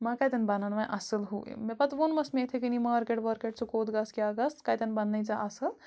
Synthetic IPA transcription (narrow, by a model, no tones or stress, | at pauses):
mɐkɐjt̪ɐnbɐnanmɐʔɐsɨlɦuḭmepɐt̪ʋonmɐsmeet̪ʰekinimɐɐɾkeʈʋɐɾkeʈ̚t͡ʃʰukod̪ɡɐskeɐɡɐst̪kɐjt̪ɐnbɐnːɐjt͡ʃaʔɐsɨl